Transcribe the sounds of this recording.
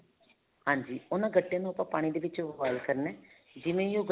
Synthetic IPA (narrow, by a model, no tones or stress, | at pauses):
ɦãːɲd͡ʒiːʊnãːɡəʈːejãːnũːʊpãːpaːɽ̃id̪eːʋɪt͡ʃʋaːlkəɾnɛː | d͡ʒɪmẽjoːɡ